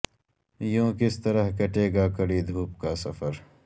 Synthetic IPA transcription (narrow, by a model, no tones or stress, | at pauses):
jõːkɪst̪ɐɾəɦkɐʈeːɡaːkɐɽiːd̪ʱuːp̚kaːsɐfəɾ